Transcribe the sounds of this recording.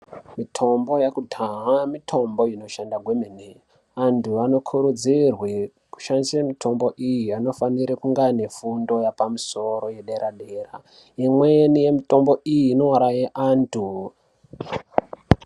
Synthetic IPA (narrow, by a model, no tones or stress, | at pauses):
mitʰo̞mbo̞jakudʱaɦamitʰo̞mbo̞ino̞ʃandaɡwe̞mene | antʰuano̞kʰuɾud͡zirwe | ku̥ʃanisemitʰo̞mbo̞ʔijiano̞faniɾikuŋɡane̞fundo̞japamuso̞ro̞je̞ɗe̞ɾʔaɗe̞ra | imwenije̞mito̞mbo̞ʔijiːno̞ɾajeʔantʰu